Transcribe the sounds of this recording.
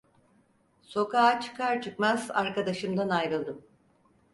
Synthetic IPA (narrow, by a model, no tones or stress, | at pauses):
so̞kaːt͡ʃʰɯ̥kʰaɾt͡ʃʰɯkmazaɾkad̪aʃɯmd̪anajɾɯlˠd̪ɯm